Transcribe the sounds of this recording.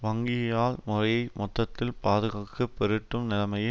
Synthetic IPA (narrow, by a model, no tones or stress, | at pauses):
ʋɐŋɡɪjɐjaːlmʊrɐjɐɪmɔt̪ːɐt̪ːɪlpaːðɯɣaːkːɯpːɛɾɯʈːɯmnɪlɐmɐjɐ